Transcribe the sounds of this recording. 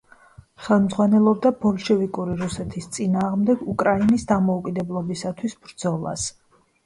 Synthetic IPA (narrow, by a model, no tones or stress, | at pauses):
χɛlˠmd̪zʁwanɛlˠɔb̚d̪abɔlˠʃɛvikʼuɾiɾusɛt̪ʰist̪sʼinaːʁmd̪ɛɡukʼɾainisd̪amɔukʼid̪ɛblˠɔbisat̪ʰwisbɾd̪zɔlˠa̰s